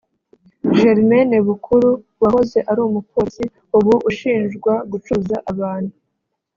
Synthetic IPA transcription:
ʒeɾmeneβukʰuɾu | βaho̞ze̞ʔaɾuːmukoːsi | uβuʔːʃiːnʒɡwaɡut͡ʃuzaʔaβaːn̥hu

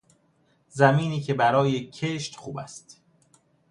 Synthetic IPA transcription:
zæmiːniːcʰe̞bæɾɒːjecʰeʃt̪χuːbæst̪

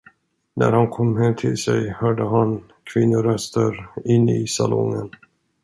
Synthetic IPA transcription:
næ̰ɾhankʰɔmːɦɛmːt̪ʰɪlsɛjhœːɖəɦan | kʰvɪnːʊɾœst̪əɾɪnːɪsalɔŋːən

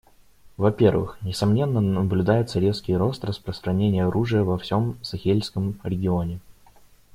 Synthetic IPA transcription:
vɐpʲe̞rvɨ̰xnʲɪsɐmnʲe̞nːənəblʲʉd̪ajʊt̪səɾʲe̞skʲɪjɾo̞st̪rəspɾəst̪ɾɐnʲenʲɪjəɐɾʔuʐɨjəvɐfsʲo̞msɐxʲelʲskəmɾʲɪɡʲɪonʲɪ

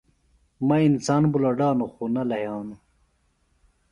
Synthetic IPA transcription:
mɐinsaːnbulɐɖaːnuxunɐlɐɦjaːnu

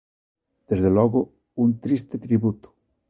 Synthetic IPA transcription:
d̪̥ezðelɔɣo | unt̪ɾist̪et̪ɾiβut̪u̥

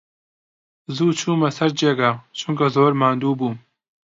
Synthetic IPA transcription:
zuːt͡ʃʰuːmɐsɐɾd͡ʒeːɡat͡ʃʰuŋkɐzoːɾmaːnd̪uːbuːm

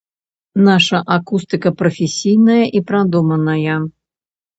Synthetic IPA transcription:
naʂɐʔakust̪ɨkɐpɾɐfʲɪsʲijnɐjɐʔipɾad̪umɐnɐjɐ

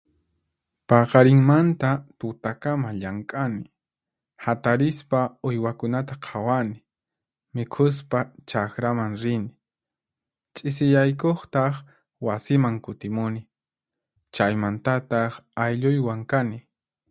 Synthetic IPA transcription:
pɑqɑɾɪŋmant̪at̪ʊt̪akamaʎaŋkʼanɪ | hat̪aɾɪspaʊjwakʊnat̪aqʰawanɪ | mɪkʰʊs̬pat͡ʃakɾamaŋɾɪnɪ | t͡ʃʼɪs̬ɪjajkoχt̪ɑχ | wasɪmaŋkʊt̪ɪmʊnɪ | t͡ʃajmant̪at̪ɑχajʎʊjwaŋkanɪ

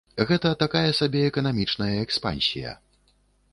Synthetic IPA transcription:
ɣɛt̪ɐt̪akajɛsabʲɛɛkɐnamʲit͡ʂnɐjɐɛkspa̰nʲsʲḭjɐ̰

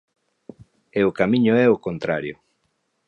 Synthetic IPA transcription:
eokamĩɲoɛokont̪ɾa̰ɾjo̰

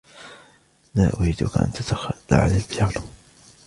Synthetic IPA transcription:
maːʔʊhid̪ʊkaʔa̰nt̪at̪axalːa̰ʕalalbɪjaːlʊ

